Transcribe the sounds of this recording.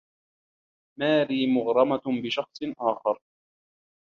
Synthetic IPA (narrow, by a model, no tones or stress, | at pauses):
maːliːmʊɣɾˤɑmabɪʃɑxsˤʔaːxɑɾˤ